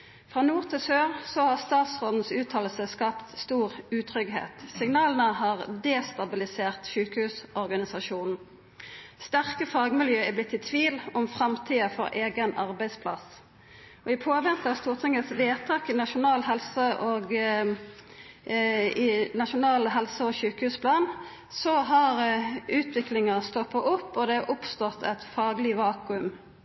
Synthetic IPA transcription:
fʁɑːnuːʁt̪ʰɪlsøːʁsɔhɑʁst̪ɑːt̪sʁoːd̪n̩sʉːt̪ʰɑːllsəskɑpt̪st̪uːʁʉːt̪ʰʁʏɡɦḛːt̪sɪŋnɑːlənəhɑːʁd̪eːst̪ɑbɪlɪseːʁt̪ʃʉːkəhʉːsɔʁɡɑnɪsɑʃuːnn̩ | st̪æʁkəfɑːɡmɪljøːɛblɪt̪ːɪt̪ʰʋiːlɔmfʁɑmt̪ʰiːəfɔ̰ʁʔeːɡənɑʁbæɪd̪spʰlɑ̰s | ɔɪpʰoːʋɛnt̪ɑst̪uːʁt̪ʰɪŋəsʋeːt̪ʰɑːkɪnɑʃʊnɑːlɦɛlsəʔoɡ | ɪnɑʃʊnɑːlɦɛlsəɔʃʉːkəhʉːspʰlɑːn | sɔɦɑʁʉːt̪ʰʋɪklɪŋəʁst̪ɔpːɑʔʊpːɔd̪ɛʔʊpst̪ɔt̪ʰɛt̪fɑːɡlɪʋɑːkʉʉm

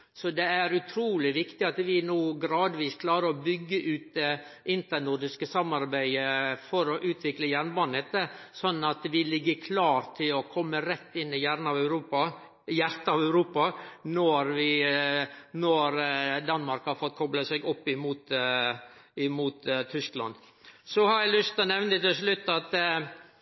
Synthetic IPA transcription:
sɔd̪ɛæɾʉt̪ʰɾuːlɪʋɪkt̪ɪɑt̪ʋɪnuːɡɾɑːd̪ʋiːskʰlɑːɾəɾɔbʏɡːəʔʉːt̪ɛʔɪnt̪ənʊɾd̪ɪskəsɑmːɑɾbæɪəfɔɾɔʔʉːt̪ʰʋɪkləjæɾnbɑnɛt̪ːəsɔnːɑt̪ʋɪlɪɡːəkʰlɑːɾt̪ʰɪlɔkʰɔmːəɾɛt̪ːɪnːɪjæːɾn̩ɑʋæʉɾuːpɑ | jæɾt̪ɑʋæʉɾuːpɑnɔɾʋɪ | nɔɾd̪ɑnmɑɾkhɑɾfɔt̪̚ːkʰɔbləsɛɡɔpːɪmuːt̪ | ɪmuːt̪t̪ʰːʏsklɑ̰n | sɔhɑɾjælʏst̪ənɛʋnət̪ɪlʂlʉt̪ːɑt̪

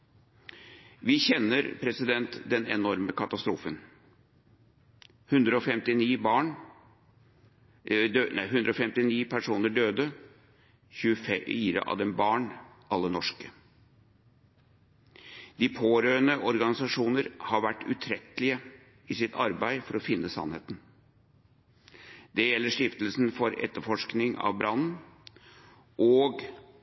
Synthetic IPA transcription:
ʋɪçɛnːəɾpʰɾɛsɪd̪ɛnt̪d̪ɛnɛ̰nɔɾməkʰɑt̪ɑst̪ɾuːfən | hʉnd̪ɾəɔfɛmt̪ɪniːbɑːɳ | d̪næɪɦʉnd̪ɾəɔfɛmt̪ɪniːpʰæʂuːnəɖøːd̪ə | çʉəfɛiːɾə̰ʔɑ̰ʋd̪ɛmbɑːɳ | ʔɑlːənɔʂkə | d̪̥ipʰoːɾøːənəʔɔɾɡɑnɪsɑʂuːnəɾhɑɾʋæʈːʉ̰t̪ʰɾɛt̪lɪə | ɪsɪt̪ɑɾbæɪfɔɾɔfɪnːəsɑ̰nheːt̪n | d̪̥ɛjɛlːəʂʈ̪ɪft̪əlsnfɔɾɛ̰t̪ːəɾfɔʂknɪŋɑ̰ʋbɾɑnn | ʔɔːɡ

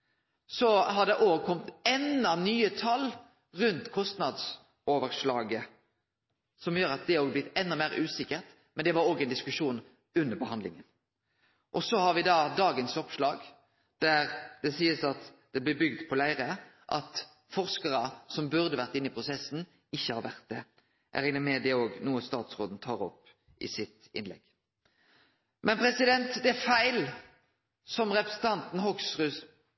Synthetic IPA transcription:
sɔɦɑd̪ɛʔoːɡ̚kʰɔmt̪ɛnːɑnyːət̪ʰɑlː | ʁʉnt̪kʰɔst̪nɑd̪s | oːʋəɾʂlɑːɡə | sɔmjøːɾɑt̪̚d̪ɛoːɡəblɪt̪ːɛnːɑmæɪɾʉːsɪkːəʁt̪ | mɛnd̪ɛʋɑɾoːɡɛɪnd̪ɪskʉʂuːn | ʉnːəɾbəɦɑnd̪lɪ̰ŋən | ʔɔsɔhɑɾʋɪd̪ɑːd̪ɑːɡənsɔpʂlɑːɡ | d̪̥æɾd̪ɛsiːəsɑt̪d̪̥ɛblɪbʏɡd̪pʰɔlæɪʁə | ʔɑ̰t̪ | fɔʁskəʁəsɔmbʉʁd̪əʋæʁt̪ɪnːɪpʰʁʊsɛsn̩ | ɪçːəhɑːɾʋæʁt̪̚d̪ɛ | ʔæ̰ʁɪnəmɛd̪ɛoːɡnuːəst̪ɑːt̪sʁoːd̪n̩t̪ʰɑːʁɔp | ɪ̰sɪt̪ɪ̰nlɛ̰ɡ̥ | mʔɛnpʰɾɛsɪd̪ɛnt̪d̪ɛæɾfæɪl | sɔmʁɛpɾəsn̩t̪ʰɑnt̪n̩ɦɔksʁʉs

